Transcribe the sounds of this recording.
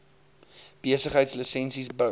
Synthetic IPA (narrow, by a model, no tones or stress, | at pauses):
b̥iəsəχɦəjtslisɛnsisbə